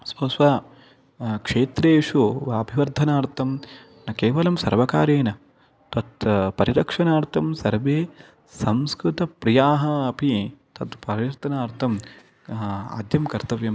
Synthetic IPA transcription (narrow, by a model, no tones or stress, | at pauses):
sʋɐsʋa | kʂeːt̪ɾeːʂuʋaːbʱiʋɐɾd̪ʱːɐnaːɾt̪ʰɐm | nɐkeːʋɐlɐmsɐ̰ɾʋɐkaːɾeːnɐ | t̪ɐt̪pɐɾiɾɐkʂɐnaːɾt̪ʰɐmsɐɾʋeː | sɐmskɾut̪ɐpɾijaːɦɐːpit̪ɐt̪pɐʋiɾt̪ɐnaːɾt̪ʰɐm | a̰ːd̪jɐmkɐɾt̪ɐʋjɐm